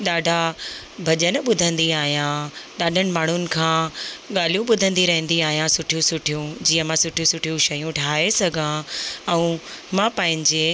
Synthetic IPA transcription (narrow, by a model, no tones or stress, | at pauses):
ɗaːɖʱa | bʱɐʄənɓʊd̪ʱə̃nd̪iaːɦijãɗaːɖʱənɪ̆maːɳ̤ʊnɪ̆kʰãːɠaːl̤ijũɓʊd̪ʱə̃nd̪iɾɐɦə̃nd̪iaːɦijãsʊʈʰijũsʊʈʰijũd͡ʑiːə̃mãsʊʈʰijũsʊʈʰijũʃɐjũʈʰaːesɐɡʱãɛ̃ũmãpɐ̃ɦɪ̃ɲd͡ʑe